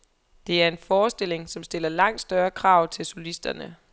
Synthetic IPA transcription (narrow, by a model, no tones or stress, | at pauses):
d̥e̝æɐe̝nfɒːsd̥e̝l̰e̝ŋsɒ̽msd̥e̝l̰ɐlɑ̈ŋ̰d̥sd̥ɶːɐkʰʁɑ̈ːʊ̰t͡sʰe̝lsolisd̥ɐnə